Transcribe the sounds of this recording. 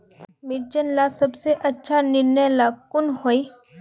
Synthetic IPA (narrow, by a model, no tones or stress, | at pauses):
mɪɾd͡ʒənlasɐbseʔɐtːʃʰanɪɾnəjlaːkʊnhoːi